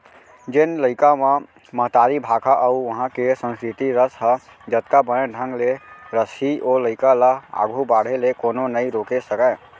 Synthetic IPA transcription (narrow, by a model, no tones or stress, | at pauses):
d͡ʒenləɪkame | məɦt̪aɾibʱakʰaʔəuʋəɦãkesə̃nskɾit̪iɾəsɦə | d͡ʒət̪kabəneɖʱə̃ŋɡleɾəsioləɪkalaa̰ɡʱubaɽ̤elekononəiɾokesəka